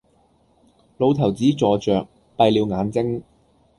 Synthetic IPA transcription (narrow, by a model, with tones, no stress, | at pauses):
lo˨˧wt̪ʰɐ˨˩wt͡siː˨˥t͡sɔː˨˧t͡ʃœː˨k̚ | pɐ˧jliː˨˧wŋaː˨˧nt͡sɪ˥ŋ